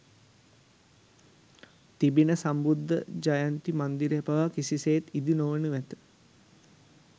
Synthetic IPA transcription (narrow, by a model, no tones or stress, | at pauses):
t̪ibinəsambud̪ʱːə̰d͡ʒajant̪imand̪iɾpaʋakisiseːt̪id̪inoʋənəʋæt̪ə̥